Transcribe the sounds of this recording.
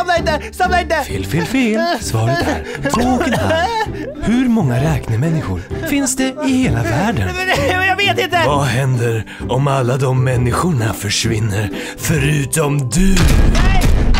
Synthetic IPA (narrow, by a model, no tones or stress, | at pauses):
mlaɪnt̪əsamlaɪnt̪əfeːlfeːlfeːlsvɑːɾəɾʰoːoːkənha̰lhɵɾmɔŋːaɾɛːknəmɛnːɪɧʊ̰ɾfɪnsd̪ɛɪheːlavæːɖənjɑːɡveːt̪ɪnt̪əvaɦɛnd̪əɾ | ɔmalːad̪ɔmːɛnːɪɧʊɳafœʂvɪnːəɾ | fœɾʉ̟ːt̪ɔmd̪ɵ